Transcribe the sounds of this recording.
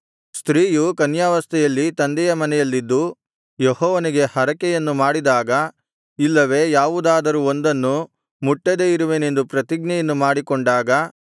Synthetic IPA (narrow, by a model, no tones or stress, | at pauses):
st̪ɾiːjukɐnjaːʋɐst̪ʰɛjɐlːit̪ɐnd̪ɛjɐmɐnɛjɐlːid̪ːu | jehɔːʋɐniɡe̞hɐɾɐkɛjɐnːumaːɽid̪aːɡɐ | ilːɐʋe̞ːjaːʋud̪aːd̪ɐɾuond̪ɐnːu | muʈːɐd̪eiɾuʋene̞nd̪upɾɐt̪iɡnɛjɐnːumaːɽikoɳɖaːɡɐ